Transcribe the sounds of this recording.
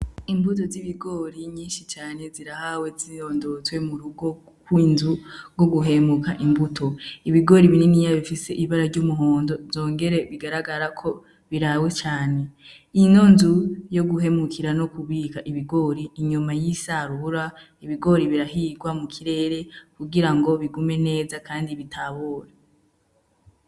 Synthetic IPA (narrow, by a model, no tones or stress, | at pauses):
imbuto̞ziβiɡo̞ːɾiɲiːnʃit͡ʃaːne̞ziɾahawe̞zioːndo̞t͡swe̞muɾuɡo̞ | kwiːnzuɾɡo̞ɡuɦe̞mukaʔimbutʰo̞iβiɡo̞ɾiβininijaβifise̞ʔiβaɾaɾɟuːmuɦo̞ːndo̞zo̞ːŋɡe̞ɾe̞βiɡaɾaɡaɾakʰo̞ | βiɾawe̞t͡ʃaːne̞ | ino̞nzujo̞ɡuɦe̞mukʰiɾano̞kuβikaʔiβiɡo̞ɾiːɲumajisaːɾuhuɾa | iβiɡo̞ɾiβiɾaɦiɡwamukʰiɾe̞ːɾe̞kuɡiɾaŋɡo̞βiɡume̞ne̞ːzakaːndiβitʰaβoːɾa